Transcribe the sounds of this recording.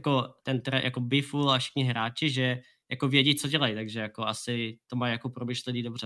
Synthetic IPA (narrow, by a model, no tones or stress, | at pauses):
jakot̪ɛnt̪ɾɛja̰ko̞bɪfulafʃɪ̥xɲɪɦɾaːt͡ʃɪʒɛ | jakovjɛɟit͡soɟɛlajt̪aɡʒɛjakoasɪt̪o̞majjako̞pɾomɪʃlɛniːdo̞brɛ